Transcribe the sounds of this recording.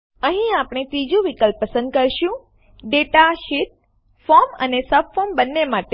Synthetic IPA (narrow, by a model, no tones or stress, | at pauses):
əɦĩapɳ̃it̪id͡ʒũʋikəlpːəsə̃nd̪̚kəɾʃũ | ɖeʈaʃit̪̚ | fɔɾmə̰nesəpfɔmbənːemaʈe